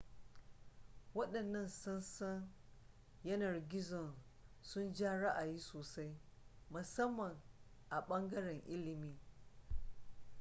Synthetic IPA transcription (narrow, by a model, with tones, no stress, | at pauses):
wɐ˦ɗɐ˨nːɐ˦nsʊ˦nsɐ˦n | jɐ˦nɐ˨rɡʲɪ˦zɔ˨n | sʊ˦nd͡ʒaː˦ɽa˦ʔa˨jiː˦soː˨sa˦j | mʊ˨sɐ˦mːɐ˨ŋ | ʔa˨ɓɐ˦ŋɡɐ˦ɽɛ˨ŋʔɪ˦lɪ˨miː˦